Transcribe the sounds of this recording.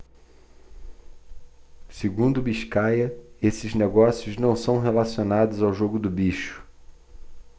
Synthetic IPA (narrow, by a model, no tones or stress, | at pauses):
seɡũnd̪ʊbiʃkajɐesɪzneɡɔsijʊznɐ̃w̃sɐ̃w̃ɦelasionad̪ʊzawʒoɡʊd̪ʊbiʃʊ̥